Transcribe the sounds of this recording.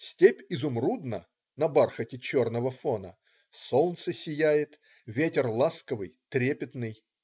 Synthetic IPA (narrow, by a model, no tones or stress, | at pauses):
sʲtʲepʲɪzʊmrud̪nə̰ | nɐbarxətʲɪt͡ɕornəvəfonə̰ | solˠnt̪sɨsʲɪjæjɪt̪ | vʲetʲɪrlˠaskəvɨjt̪ɾʲepʲɪt̪nɨj